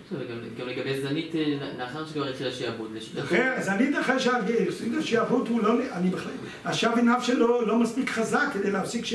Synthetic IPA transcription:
vɡamɡamleɡabejzanit̪nnaχaʁnuʃekvaʁit̪χilaʃeavut̪leʃitχeazanit̪aχeʃaɡesitaʃeavut̪hulonanibeχlel | aʃavinavʃelolomaspikχazakːed̪ejleafsikʃ

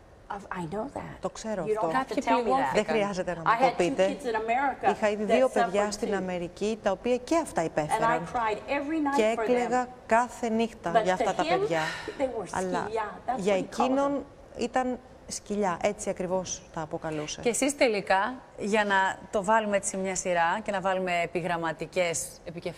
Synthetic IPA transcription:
aɪnoʊðæ̰t̚t̪o̞kse̞ɾoɐfto | ðexɾiɐze̞t̪e̞nɐmaɐɪt̪odpit̪eɪz̃nəmɛɹɪkixɐiðiðio̞peðʝɐst̪inɐme̞ɾicit̪ɐopiɐce̞ɐft̪ɐipe̞feɾɐnʰɹajɾɛvɹinaeeleɣɐ | kɐθe̞nixt̪ɐʝɐːftɐt̪ɐpeʝɐðewɐ̰lɐ̰ʝɐecino̞n | it̪ɐn | sciʎɐʔe̞t͡siɐkɾivo̞st̪ɐːpo̞kɐluseesist̪e̞likɐʝɐnɐt̪o̞vɐlumeet͡simɲɐsiɾɐce̞nɐvɐlume̞ːpiɣɾɐmɐt̪ice̞s | epicef

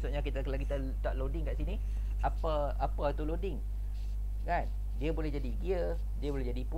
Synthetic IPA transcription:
sʊʔɲakit̪akalakit̪ə | t̪aʔlodɪŋkaʔsini | apə | apat̪ulodɪŋ | kan | diəbolɛhd͡ʒadiɡiə | diəbolɛd͡ʒadipu

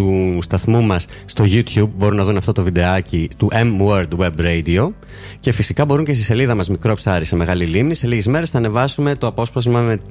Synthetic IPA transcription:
ust̪ɐθmumɐsːt̪o̞ʝut̪çub̚bo̞ɾunɐðunɐft̪ot̪o̞vid̪e̞ɐcit̪uʔemwoɾd̪we̞bɾeid̪io̞ | ce̞fisikɐbo̞ɾuɲce̞st̪ise̞liðɐmɐzmikɾo̞psɐɾise̞me̞ɣɐlilimnise̞liʝezme̞ɾe̞znɐːne̞vɐsume̞t̪o̞ɐpo̞spɐzmɐme̞

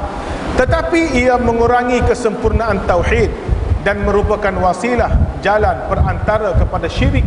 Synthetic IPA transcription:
t̪ət̪apiːamə̃ŋuɾaŋikəsəmpurnaʔãnt̪awħit̪̚danmə̃ɾupakanwasilahd͡ʒalanpərant̪aɾakəpadaʃiɾik

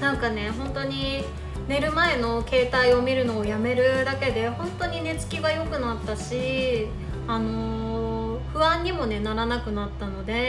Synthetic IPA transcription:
nãŋkane̞ɦõ̞nt̪o̞ɲ̟i | ne̞ɾɯ̟mae̞no̞ke̞ːt̪aio̞mʲiɾɯ̟no̞ːjame̞ɾɯ̟d̪ake̞d̪e̞hõ̞nt̪o̞ɲ̟ine̞t͡sɨ̥kʲiɡajo̞kɯ̟nat̪ːaɕi | ano̞ | ɸɯ̟βãɲ̟ːimo̞ne̞naɾanakɯ̟nat̪ːano̞d̪e̞

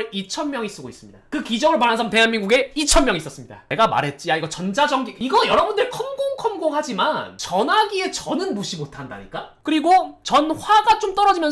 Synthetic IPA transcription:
ɭit͡ɕʰʌnmjʌŋis͈ɯɡois͈ɯmɲidakɯkid͡ʑʌŋɯɭpanansʰʌnte̞ɦanminɡuɡe̞it͡ɕʰʌnmjʌŋiːs͈ʌs͈ɯmɲida̰ne̞ɡama̰ɾɦe̞t̚t͡ɕ͈iaiɡʌt͡ɕʌnd͡ʑad͡ʑʌŋɡiiɡʌjʌɾʌbundɯɾekʰʌmɡoŋkʰʌmɡoŋɦad͡ʑimant͡ɕʌnaɡie̞t͡ɕʌnɯnmuɕʰimotʰanda̰ɲik͈akɯɾiɡot͡ɕʌnɸwaɡat͡ɕ͈omt͈ʌɾʌd͡ʑimjʌ

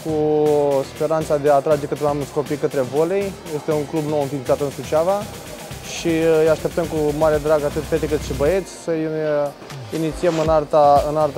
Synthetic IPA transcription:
kuspe̞ɾant̪sad̪eat̪ɾad͡ʒe̞kət̪ɾeamsko̞pikət̪ɾe̞vo̞le̞jje̞st̪e̞uŋklubno̞wɨnfilt̪sat̪ɨnsut͡ʃava | ʃiɨjaʃt̪e̞p̚t̪əmkumaɾed̪ɾaɡat̪ɨt̪fe̞t̪ekɨt̪ʃibəe̞t̪sʲsə | init̪siemɨnart̪aɨnart̪a

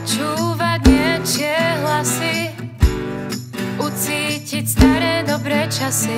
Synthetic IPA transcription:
t͡ʃuːʋaɟɲɛt͡ʃɪɛɦlasi | ut͡siːcicst̪aɾɛːd̪ɔbɾɛːt͡ʃasi

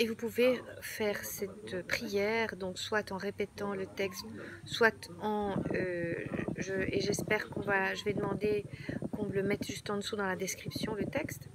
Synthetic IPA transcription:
evupuvefɛːʁsɛt̪øpχijɛːʁd̪ɔ̃kswat̪ɑ̃ʁepɛt̪ɑ̃lət̪ɛkst̪swat̪ɑ̃ø | ʒəʔeʒɛspɛːʁkɔ̃vaʒəvɛd̪əmɑ̃d̪ekɔ̃ləmɛt̪ʒ̥yst̪ɑ̃d̪əsud̪ɑ̃lad̪ɛskχipsjɔ̃lət̪ɛkst̪

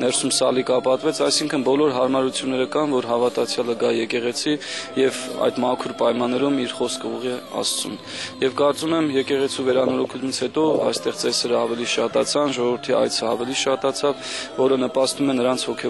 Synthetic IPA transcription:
nɛɾsumsɑlikɑpɑt̪vɛt͡sʰɑjsiŋkʰənbɔlɔɾɦɑɾmɑɾut͡sʰjunːɛɾəkɑnvɔɾɦɑvɑt̪ɑt͡sʰjɑləɡɑjɛkɛʁɛt͡sʰijɛvɑ̰jd̪mɑkʰuɾpɑjmɑnːɛɾumiɾχɔskʰəuʁɛɑ̰st͡sṵn | jɛvkɑɾt͡sumɛmjɛkɛʁɛt͡sʰivɛɾɑnɔɾɔkʰumit͡sʰhɛt̪ɔɑ̰jst̪ɛʁt͡sɛsɛɾəɑvɛliʃɑt̪ɑt͡sʰɑnʒɔʁɔvəɾt̪ʰiɑ̰jt͡sʰəɑ̰vɛliʃɑt̪ɑt͡sʰɑvːɔɾənəpɑst̪umɛnəɾɑnt͡sʰvɔkʰɛ

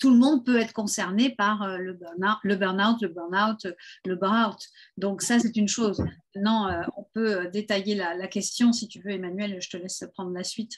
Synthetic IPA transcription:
t̪uləmɔ̃d̪̚pøɛt̪χəkɔ̃sɛʁnepaʁøləbɛʁnaləbœʁnawt̪ləbœʁnawt̪ləbɛʁawt̪ | d̪ɔ̃ksasɛt̪ynʃozmɛ̃t̪nɑ̃øɔ̃pøød̪et̪ajelalakʲɛst̪jɔ̃sit̪yvøemanɥɛlʒət̪əlɛspχɑ̃d̪ʁəlasɥit̪

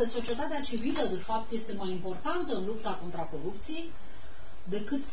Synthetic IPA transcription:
əso̞t͡ʃie̞t̪at̪eat͡ʃiviləd̪e̞fap̚t̪je̞st̪e̞majimpo̞rt̪ant̪əɨnlupt̪ako̞nt̪ɾako̞ɾupt̪sijej | d̪e̞kɨt̪

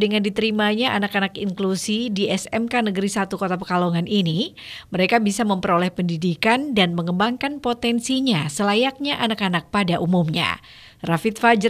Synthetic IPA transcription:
dəŋandit̪əɾimaɲaʔanakanakiŋklusidiɛsɛmkanəɡəɾisat̪ukot̪apəkaloŋanʔiniməɾekabisaməmpəɾolɛhpəndidikandanməŋəbaŋkanpot̪ɛnsiɲasəlajak̚ɲaʔanakanak̚padaʔumumɲa̰ | rafit̪̚fad͡ʒə

